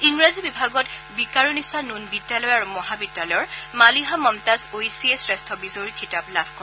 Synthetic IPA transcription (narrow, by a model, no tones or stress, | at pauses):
iŋɹazibibʱaɡɔtbikaɹonisanunbidːalɔjaɹumɔɦabidːalɔjɔɹmaliɦamɔmtazojsiesɹɛstʰɔbizoɹikʰitablabʱkɔ